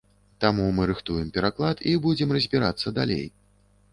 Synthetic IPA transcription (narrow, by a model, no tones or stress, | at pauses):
t̪amumɨɾɨxt̪ujɛmpʲɛɾaklˠat̪ibud͡zʲɛmrɐzʲbʲiɾa̰t̪sːɐd̪alʲḛj